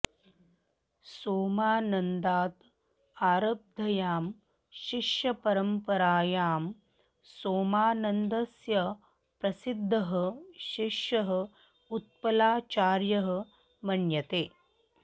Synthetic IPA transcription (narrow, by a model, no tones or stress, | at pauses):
soːmaːnɐnd̪aːt̪ | aːɾɐb̚d̪ʱɐjaːm | ʃiʂjɐpɐɾɐmpɐɾaːjaːm | soːmaːnɐnd̪ɐsjɐ | pɾɐsid̪ʱːɐɦɐ̆ʃiʂjɐɦɐ̆ | ut̪̚pɐlaːt͡ʃaːɾjɐɦɐ̆ | mɐɳjɐt̪eː